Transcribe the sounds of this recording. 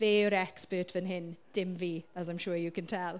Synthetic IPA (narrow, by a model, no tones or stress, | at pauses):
veːəɾɛkspəːtʰvənɦɪnd̥ɪmviːəzãjmʃuːɹjəkʰə̃ntʰɛlˠ